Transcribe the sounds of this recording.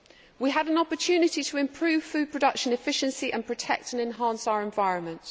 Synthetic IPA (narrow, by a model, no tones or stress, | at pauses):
wiəɾə̃nɒpət͡ʃʰʉːnɪtitʰəɪ̃mpʰɹ̥ʉːv̥fʉːd̚pʰɹ̥ədʌkʃə̃nɪfɪʃə̃nsiʔə̃npʰɹ̥ətʰɛ̰k̚tə̃nɛ̃nɦɑ̃ˑnsaʊəɹɛ̃ɱvaɪɹə̃nmə̃nt